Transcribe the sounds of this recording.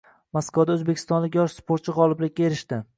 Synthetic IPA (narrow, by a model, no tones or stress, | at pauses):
maskvad̪aɵzbe̞kʲʰɪ̥st̪ɒnlɪkʲjɒʃspʰoɾt̪t͡ʃʰɪʁɒlˠɪblɪkʲːaeɾɪʃt̪ɪ